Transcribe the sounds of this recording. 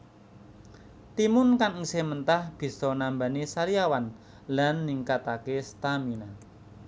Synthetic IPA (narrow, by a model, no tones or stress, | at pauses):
t̪imʊnkaŋŋsemənt̪ahb̥i̤sɔnamba̤nisaɾiawan | lanːiŋkat̪akest̪amina